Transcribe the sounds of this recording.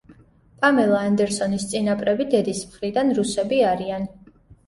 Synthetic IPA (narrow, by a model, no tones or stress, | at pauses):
pʼamɛlˠaːnd̪ɛɾsɔnist̪sʼinapʼɾɛbid̪ɛd̪ismχɾid̪anɾusɛbiaɾian